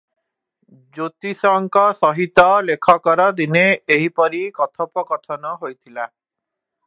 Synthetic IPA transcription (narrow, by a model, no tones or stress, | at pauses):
d͡ʒot̪isɔŋkɔsɔɦit̪ɔlekʰɔkɔɾɔd̪ineeɦipɔɾikɔt̪ʰɔpɔkɔt̪ʰɔnɔɦojt̪ʰila